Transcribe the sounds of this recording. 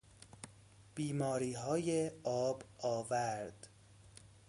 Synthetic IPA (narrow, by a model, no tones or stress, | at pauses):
b̥iːmɒːɾiːɦɒːjeɒːbɒːvæɾd̪̥